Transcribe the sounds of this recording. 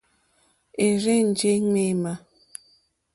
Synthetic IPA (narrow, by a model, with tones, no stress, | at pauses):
e˨ɾe˦n̩˨d͡ʒe˦ŋe˦˨ma˦